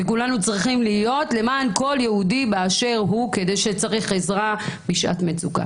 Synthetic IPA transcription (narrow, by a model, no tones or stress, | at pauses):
vekulanut͡sʁiχimliːjo̞tle̞maːnko̞ljehudibeaʃe̞ʁɦuke̞de̞jʃet͡saʁiχezʁabiʃʔa̰tmet͡suka̰